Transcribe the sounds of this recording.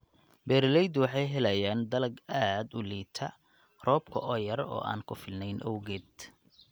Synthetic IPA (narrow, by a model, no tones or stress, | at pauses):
bɛːɾɪlɛjd̪wɑħɑjɦɛlɐjaːnd̪ɐlɐɡaːd̪ʊliːt̪ʰɐ | rɔːb̚kʰɐ̰ʔɔːjɐrɔ̰ːʔa̰ːnkʰʊfɪlnɛjnʔɔwɣɛːd̪